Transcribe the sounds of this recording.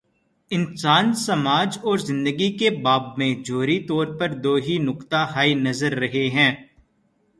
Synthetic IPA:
ɪnsaːnsɐmaːd͡ʒɔːɾzɪ̃nd̪əɡikebaːbmẽd͡ʒoːɾit̪ɔːɾpɐɾd̪oːɦinʊkt̪aɦaːinɐzəɾːɐɦeɦɛ̃ː

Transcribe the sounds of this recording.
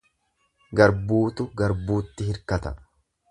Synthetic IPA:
ɡɐɾbuːt̪ʊɡɐɾbuːt̪ːɪhɪɾkɐt̪ɐ

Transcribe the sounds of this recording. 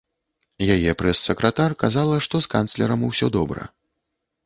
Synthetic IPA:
jajɛpɾɛsːɐkɾɐt̪arkazalˠɐʂt̪ɔskant̪slʲɛɾɐmuwsʲɔd̪ɔbɾɐ̰

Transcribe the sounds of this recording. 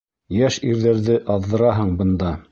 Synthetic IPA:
jæʃiɾðæɾðɘʔɑðːɤ̆ɾɑɦɤɴbɤ̆nd̪ɑ

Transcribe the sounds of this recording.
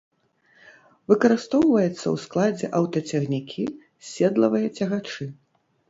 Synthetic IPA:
vɨkɐɾɨst̪ɔwvɐjɛt̪sːɐ̰wsklˠad͡zʲɛ̰ʔɐwt̪ɐt͡sʲɛɣnʲikʲʰi | sʲɛd̪lˠɐvɨjɐt͡sʲɐɣat͡ʂɨ

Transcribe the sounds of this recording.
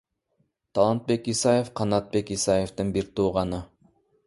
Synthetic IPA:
t̪ʰɑlˠɑnt̪̚be̞kisɑjefqʰɑnɑt̪̚be̞kisɑjeft̪ɯnbiɾt̪uːʁɑnɯ

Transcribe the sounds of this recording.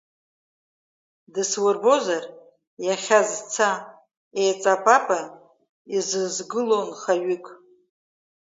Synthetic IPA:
dɨswʊrbo̞zar | jaχʲazt͡sʰa | ejt͡sʼapʼapʼa | izɨzɡɨlo̞nχaɥʏkʼ

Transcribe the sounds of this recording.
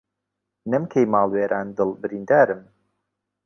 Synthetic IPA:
nɨmkʰejmaːlˠweːɾʔaːnd̪ɨlˠbɨɾiːnd̪aːɾɨm

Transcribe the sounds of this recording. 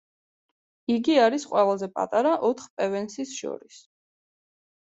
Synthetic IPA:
iɡiaɾisqʼwɛlˠazɛpʼa̰t̪ʼaɾaʔɔt̪ʰχpʼɛvɛnsisʃɔ̰ɾis

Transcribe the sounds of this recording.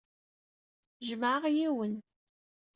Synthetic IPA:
ʒməʕəʁjiwən

